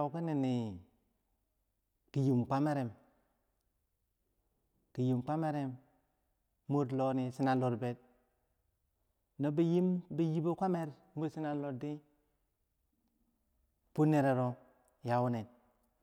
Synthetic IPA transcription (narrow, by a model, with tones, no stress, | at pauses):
ki˦ne˨ni˨ | ki˨ji˨mkʷa˦me˦ɾe˨m | ki˨ji˨mkʷa˦me˦ɾe˦m | o˦dlo˨ni˨si˦na˨lo˨ɾbe˨t̚ | no˦bi˦ji˦mbi˦ji˦bo˦kʷa˦me˦ɾ | mu˦si˦na˦lo˨di˦ | pu˦nːe˨ɾe˨ɾo˦ | ja˨wu˦ne˨t̚